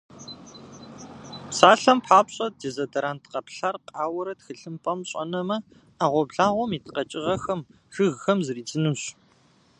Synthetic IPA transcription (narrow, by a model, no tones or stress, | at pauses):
psaːɬɐmpħaːpɕʼɐd̚dezɐdɐɾaːntʰqɐpɬarqʼaːwɐɾɐtxɨɬɨmpʼɐmɕʼɐ̰nɐmɐ | aːʁʷɔbɮaːʁʷɔmiːtʰqɐt͡ʃʼɪʁɐxɐm | ʒɨɣxɐmzɨriːd͡zɨnuɕ